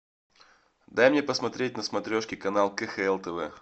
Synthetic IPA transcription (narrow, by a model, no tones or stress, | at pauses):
d̪ajmnʲepəsmɐt̪ɾʲet̚ʲnəsmɐt̪ɾʲoʂkʲɪkɐnalˠkɛxɛɛlˠt̪ɛvɛ̰